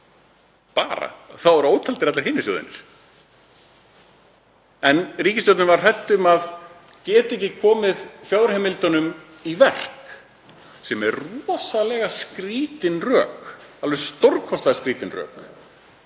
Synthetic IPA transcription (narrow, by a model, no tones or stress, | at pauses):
pa̰ːɾa̰θawvaɾoːwt̪ʰalt̪ɪɾat̪laɾ̥ɦɪːnːɪsjo̰ːwðɪ̰nɪ̰ɾ̥ | ɛnriːcɪst̪ɔwt̪nʏvar̥r̥ɛjt̪ːʏmað | cɛːt̪ɪehcɪkʰɔːmɪðfjaːwɾ̥hɛːmɪlt̪ɔnʏm | ivɛr̥k | sɛmɛrrɔːsalɛɣaskɾiːt̪ɪnrœ̰ːkalvɛsst̪owrkʰɔst̪ɛɣaskɾiːt̪ɪnrœ̰ːk